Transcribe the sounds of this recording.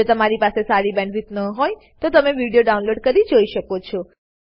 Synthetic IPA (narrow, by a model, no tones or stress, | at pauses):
ot̪əmaɾipasesaɾibɛ̃ɳʋit̪nəɦoj | t̪ot̪əmeʋiɽijoɖaunloɖkəɾid͡ʒoiʃəkot͡ʃʰɔ